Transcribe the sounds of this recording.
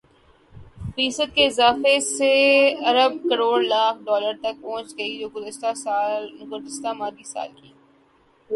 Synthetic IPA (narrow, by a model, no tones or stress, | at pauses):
fiːsəd̪̚keɪzaːfeseɐɾəb̚kɐɾoːɽlaːk̚ʰɖɔːləɾt̪ɐk̚pɔ̃ːt͡ʃɡɐid͡ʒoːɡʊzɪst̪asaːlɡʊɾd̪ɪst̪amaːd̪isa̰ːlkiː